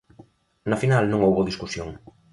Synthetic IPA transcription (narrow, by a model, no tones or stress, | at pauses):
nafinalnũŋowβoðiskusjoŋ